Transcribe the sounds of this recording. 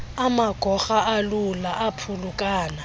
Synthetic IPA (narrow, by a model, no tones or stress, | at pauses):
amaɡ̥ʱɔxaʔalulaʔapʰulukʼaːna